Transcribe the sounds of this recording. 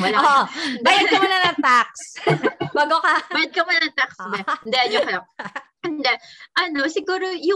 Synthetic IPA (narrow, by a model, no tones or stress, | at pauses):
wɐlaoʔbaːjɐd̪̚kɐmʊnɐnɐŋt̪ak̚sbaːɡokɐbajɐd̪̚kɐmʊnɐɐŋt̪aksd̪ɛnd̪ɛɐnjokɐlo | ɛnd̪ɛʔɐnosɪɡuːɾojʊ